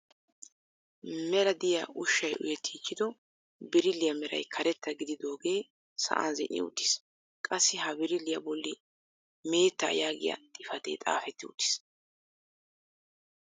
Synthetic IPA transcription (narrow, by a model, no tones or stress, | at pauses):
mɛɾɐd̪ɪjɐʔʊʃːɐjʔʊ̰jɛt̪ʰːiːkːɪd̪ɔ | bɪɾɪlːɪjɐmɛɾɐ̰jkʰɐɾɛt̪ːɐɡɪd̪ɪd̪o̞ːɡe̞ː | sɐ̰ʔɐ̰nzɪnɪ̰ʊ̰t̪ːɪ̥s | kʼɐsːɪɦɐbɪɾɪlːɪjɐbɔlːɪ | me̞ːt̪ːa̰jaːɡɪ̰jɐ̰t̪ʼɪfɐt̪ḛːt̪ʼa̰ːfɛt̪ːɪʊ̰t̪ːɪ̥s